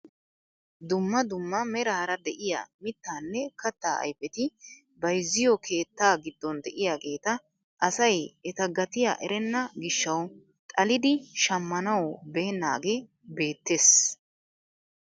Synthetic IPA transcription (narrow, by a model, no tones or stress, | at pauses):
d̪ʊmːɐd̪ʊmːɐmɛɾɐɾɐd̪ɛʔɪjɐ̰mɪt̪ːaːnːɛkɐt̪ːaːɐ̰jfɛt̪ɪ | bɐjzːɪjɔkʰe̞ːt̪ːaːɡɪd̪ːɔnd̪ɛʔɪjaɡe̞ːt̪ɐ | ʔɐsɐjɛt̪ɐɡɐt̪ɪja̰ʔɛɾɛnːɐɡɪʃːɐw | t̪ʼɐlɪd̪ɪʃɐmːɐnɐwɔbe̞ːnːa̰ːɡe | be̞ːt̪ːe̞ːs